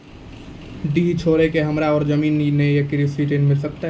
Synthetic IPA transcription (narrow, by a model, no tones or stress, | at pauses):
ɖiɦt͡ʃʰoːɾekeɦəmɾaɔːɾd͡ʒəmiːnːiːejekɾisiʈenmɪlsək̚t̪aɦ